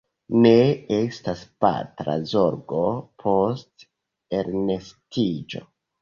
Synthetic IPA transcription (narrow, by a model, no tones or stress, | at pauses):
ne̞estaspa̰tɾa̰zo̞ɾɡo̞pʰo̞st | eɾnestid͡ʒo̞̰